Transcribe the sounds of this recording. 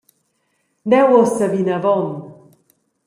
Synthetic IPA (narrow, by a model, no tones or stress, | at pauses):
d̪ɛwɔsavinavɔn